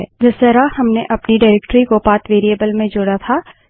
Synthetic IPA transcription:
ɛ̰ːd͡ʒɪst̪əɾahɐmneʔɐpniɖaːɪɾɛːkʈɾikopaːt̪ʋeːɾiebəlmẽd͡ʒoːɽat̪ʰaː

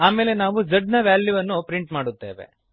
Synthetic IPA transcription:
aːmeːle̞naːʋud͡ʒɐɖnɐʋaːljuʋɐnːupɾiɳʈmaːɽut̪ːe̞̰ːʋe̞̰

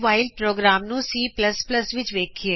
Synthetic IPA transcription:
ʋaːɪlpɾoːɡɾaːmnũsiːpləspləsʋɪt͡ʃʋeːkʰieː

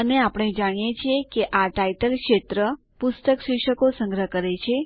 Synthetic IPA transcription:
əneapɽ̃ed͡ʒaɽ̃ijet͡ʃʰijekeʔaʈaiʈəlkʃet̪ɾə | pust̪əksiʃəkosə̃ŋɡɾəkəɾet͡ʃʰe

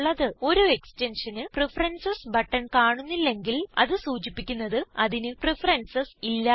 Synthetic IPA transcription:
ɭːɐðɨo̞ɾue̞kstenʂɐnɨprefɐrɐnsɐsbɐʈːɐnkaːɳunːilːe̞ŋɡilɐ̰ðɨsuːt͡ɕipːikʲːunːɐðɨɐðinɨprefɐrɐnsɐsilːɐ

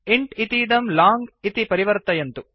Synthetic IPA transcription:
iɳʈit̪iːɖ̪ɐmlaːŋɡit̪ipɐɾiʋɐɾt̪ɐjɐnt̪u

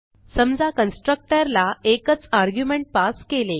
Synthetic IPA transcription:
səmd͡zakənsʈɾək̚ʈəɾlaekət͡saɾɡjumẽɳʈ̚paskele

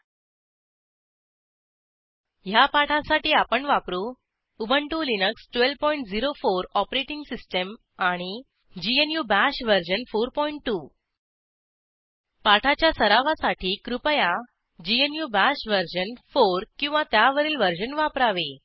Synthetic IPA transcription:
japaʈʰasaʈiːapəɳʋapɾuː | ubʱəɳʈulinəksʈʋelʋpɔiɳʈd͡ziɾofoɾɔpɾeʈiŋɡsisʈəm | aɽ̃i | d͡ʑienjubæɕʋəɾd͡ʑənfoɾpɔiɳʈːu | paʈʰat͡ɕjasəɾaʋasaʈʰiːkɾupəja | d͡ʑienjubæɕʋəɾd͡ʑənfoɾkĩw̃ʋat̪jaʋəɾiːlʋəɾd͡ʑənʋapɾaʋe

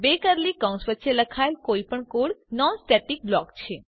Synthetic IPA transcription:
bekəɾlikə̃w̃sʋətːʃeləkʰaelkoipəɳkoɽnɔnsʈɛʈik̚blɔkt͡ʃʰe

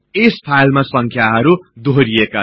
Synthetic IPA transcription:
espʰajlmasʌŋkʰjaɦʌɾud̪ʱoɾieka

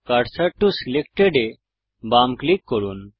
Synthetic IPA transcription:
kaɖsɐʈusilekʈeɖe | bamklikːɔɾun

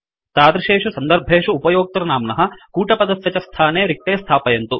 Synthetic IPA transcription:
t̪aːd̪ɾɐʃeːʂusɐnd̪ɐɾbʱeːʂuːpɐjoːk̚t̪ɐɾɐnaːmnɐɦɐ̆kuːʈɐpɐd̪ɐsʋʲɐt͡ʃɐst̪ʰaːneːɾik̚ʈ̪eːst̪ʰaːpɐjɐnt̪u

